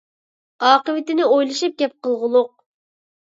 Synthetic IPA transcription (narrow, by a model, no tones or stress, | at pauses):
ɑːqəvɪt̪ɪnɪojlˠɨʃɨp̚ɡʲɛp̚qəlˠʁʊlˠʊq̚